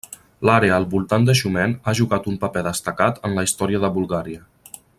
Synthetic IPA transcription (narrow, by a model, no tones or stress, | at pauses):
laɾeəːlˠβulˠt̪and̪əʃumɛnaʒuɣat̪umpəpɛðəst̪əkat̪ənləist̪ɔɾiəðəβulˠɣaɾiə